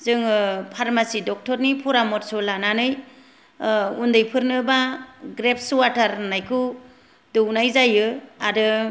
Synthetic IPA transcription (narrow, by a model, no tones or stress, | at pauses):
zɯŋpʰaɾmasidɔk̚tɔɾnipʰɔɾamɔt̚sɔlananɯj | undɯjpʰɯɾnɯbaɡɾep̚ʰswatʰaɾnajkʰɯ | dɯwnajzajɯaɾɯ